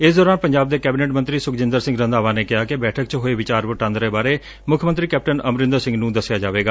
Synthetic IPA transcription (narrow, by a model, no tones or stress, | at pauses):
ɪsd̪ɔːɾaːnpəɲd͡ʒaːb̚d̪eːkɛːbɪneːʈmə̃nt̪ɾiːsʊkd͡ʒɪ̃nd̪əɾsɪ̃ŋɡɾə̃nd̪aːʋãːneːkɪɦaːkɪbɛːʈʰək̚t͡ʃɦoːeːʋɪt͡ʃaːɾʋʊʈãːnd̪ɾeːbaːɾeː | mʊkʰjəmənt̪ɾiːkɛːp̚ʈənəmɾɪ̃nd̪əɾsɪ̃ŋɡnũːd̪əsɪjaːd͡ʒaːʋeːɡaː